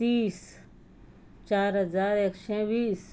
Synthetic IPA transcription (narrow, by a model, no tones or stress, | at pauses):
t̪iːs | t͡ʃaːɾɦəzaːɾeːksɛ̃ːbiːs